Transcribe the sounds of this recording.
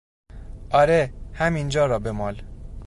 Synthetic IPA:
ʔɒːɾehæmind͡ʒɒːɾɒːbemɒːl

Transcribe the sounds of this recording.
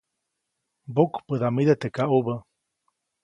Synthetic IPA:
bokpəd̪amid̪et̪ekaʔubə

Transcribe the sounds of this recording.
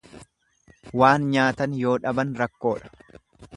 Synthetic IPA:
waːnɲaːt̪ɐnjo̞ːᶑɐbɐnɾɐkːo̞ːᶑɐ̥

